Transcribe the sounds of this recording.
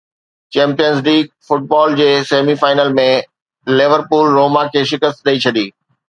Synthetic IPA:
t͡ɕɛ̃ːmpijəns̬liːɡ̚fʊʈ̚bɔːld͡ʑeːseːmifaːɪnəlmẽ | lɪʋəɾpuːlɾoːmakʰeːʃɪkəst̪ɗɐit͡ɕʰɐd̪iː

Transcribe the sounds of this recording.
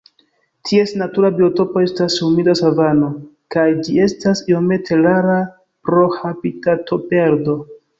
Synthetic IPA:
tʰie̞snatuɾabio̞to̞po̞e̞stasumidasavano̞kajd͡ʒie̞stasio̞me̞tʰe̞laɾa | pɾo̞habitato̞pe̞ɾdo̞

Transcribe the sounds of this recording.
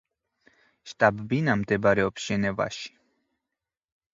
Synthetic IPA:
ʃt̪ʼabbinamd̪ɛbɾɛɔpsʒ̥ɛnɛva̰ʃi̥

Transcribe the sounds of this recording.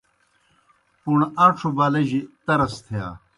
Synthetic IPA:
puɳaːʈ͡ʂʰubaːlɐʑit̪ɐɾɐst̪ʰeja̰ː

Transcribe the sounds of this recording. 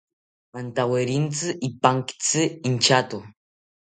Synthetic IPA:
ant̪aweɾint͡sɨʔipaŋkt͡sɨint͡ʃat̪u

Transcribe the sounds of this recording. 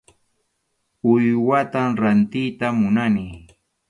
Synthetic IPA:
ʊjwat̪amɾant̪ɪjt̪amʊnani

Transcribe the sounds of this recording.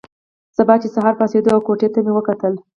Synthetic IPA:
z̥əbɑt͡ʃesaɦɑɾpɑsed̪oawkoʈet̪amewəkat̪əl

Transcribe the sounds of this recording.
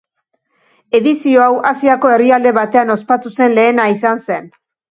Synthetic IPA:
e̞ðisio̞awʔasiako̞e̞riald̪e̞βat̪e̞ano̞spat̪use̞nle̞ːnaisanse̞n

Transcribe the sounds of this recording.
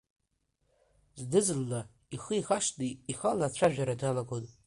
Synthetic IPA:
zdɨzɨlːa | iχəixaʃdiiχalat͡ɕʷʰaʒᶣaɾadalaɡotʼ

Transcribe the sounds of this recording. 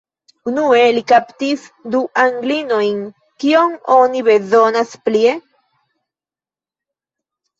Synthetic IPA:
unuelikapt̪isd̪uʔaŋɡlinojŋ | kioŋoniβezonasplie

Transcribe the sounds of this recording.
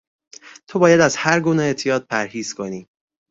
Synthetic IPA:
t̪ʰobɒːjæd̪æzhæɾɡuːneet̪ʰijɒːd̪̚pʰæɾhiːz̥kʰo̞niː

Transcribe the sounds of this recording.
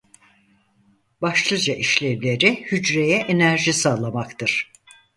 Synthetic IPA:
baʃlˠɯd͡ʒaʔiʃlʲevlʲe̞ɾihyd͡ʒɾejɛʔenæɾʒisaːlˠamakt̪ʰɯɾ̥

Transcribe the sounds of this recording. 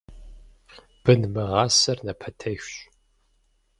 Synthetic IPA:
b̥ɨnmɐʁɑːsɐrnɐpʰɐtʰɐɕɕʼ

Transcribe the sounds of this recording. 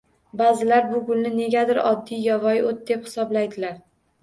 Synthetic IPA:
bazɪlaɾbʊɡʊlnɪne̞ɡʲad̪ɪɾɒ̰d̪ːijjɒvɒjot̪̚d̪e̞phɪ̥sɒblajd̪ɪlaɾ

